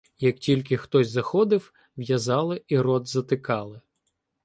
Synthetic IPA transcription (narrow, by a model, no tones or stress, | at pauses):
jɐk̚tʲilʲk̬ɪxt̪ɔsʲzɐxɔd̪ɪw | ʋjɐzɑlˠɪiɾɔd̪zɐt̪ɪkɑlˠɪ